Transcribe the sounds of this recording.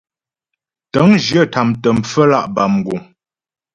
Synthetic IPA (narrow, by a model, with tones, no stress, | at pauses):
tə˨˦ŋd͡ʒjə˦˨tʰa˨mtə˨m̩˨p͡fə˦la̰˦ʔba˨m˨ɡu˨ŋ